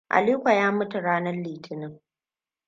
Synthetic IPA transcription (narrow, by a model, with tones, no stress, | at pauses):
ʔa̰˨liː˦kʷa˨jaː˦mʊ˦tu˨ɽaː˦nɐ˦rliː˨tʰɪ˦nɪ˦ŋ